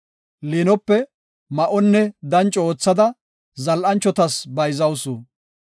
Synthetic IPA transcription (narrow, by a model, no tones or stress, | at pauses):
linɔpːɛ | mɐʔɔnːɛd̪ɐnt͡ʃʼo̞ːt͡sːɐd̪ɐ | zɐlʔɐnt͡ʃːɔt̪ɐsbɐjzɐwsu